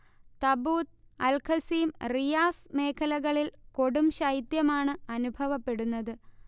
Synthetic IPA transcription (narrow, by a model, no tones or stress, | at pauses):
t̪ɐbuːt̪ɐlkʰɐsiːmrijaːsme̞ːkʰɐlɐɣɐɭilko̞ɽumɕɐjit̪jɐmaːɳɨɐnubʱɐʋɐpːe̞ɽunːɐðɨ